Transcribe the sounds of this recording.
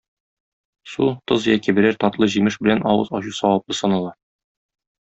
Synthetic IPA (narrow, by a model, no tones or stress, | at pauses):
sut̪ɤzjækĭbɘ̆ɾæɾt̪ɒt̪lˠɤʑimɘʃbɘ̆lænʔɒwɤ̰zɒɕusɒwɑp̚lˠɤsɒnɑlˠɑ